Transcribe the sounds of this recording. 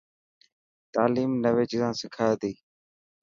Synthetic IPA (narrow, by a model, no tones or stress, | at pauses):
t̪aːliːmnəʋeːt͡ʃizãːsɪkʰaːd̪iː